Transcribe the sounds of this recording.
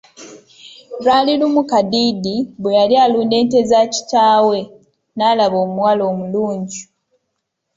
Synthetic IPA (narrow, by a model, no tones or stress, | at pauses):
ɾwaːlilumukadidibwejalialuːnde̞ːnte̞zaːci̥taːwe̞ | naːlaβoːmuwaːlo̞ːmuluːɲɟi